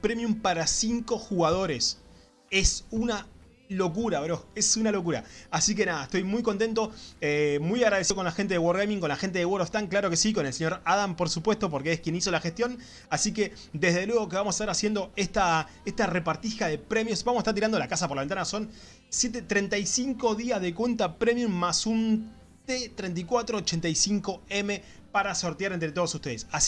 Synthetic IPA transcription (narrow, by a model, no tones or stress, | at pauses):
pɾe̞mjumpaɾasiŋko̞xuɣað̞o̞ɾes | e̞suna | lo̞kuɾaβeɾoesunalo̞k̬uɾa̰asik̬e̞naðaeht̪o̞jmujko̞nt̪e̞nt̪o̞emujaɣɾaðesiokonlaxent̪eðewoɾɣejmĩŋko̞nlaxent̪e̞ðewoɾoft̪aŋklaɾo̞ke̞siko̞nelse̞ɲo̞ɾaðampo̞ɾsupwe̞ht̪o̞p̬o̞ɾkeehkje̞niso̞laxest̪jo̞n | asike̞ | d̪e̞ɦðe̞lweɣ̞o̞keamos̬ḁht̪aɾasje̞nd̪o̞eht̪a | eht̪arepaɾt̪ixaðe̞pɾe̞mjosbamsḁet̪aɾt̪iɾand̪olakasapoɾlaβent̪anaso̞n | sje̞t̪̬et̪ɾent̪ajsiŋko̞ðiazðekwe̞nt̪apɾe̞mjummasun | t̪et̪ɾent̪ikwat̪ɾoːt͡ʃent̪ajsiŋko̞eme̞ | paɾaso̞ɾt̪jaɾent̪ɾe̞t̪oosuht̪e̞ðesa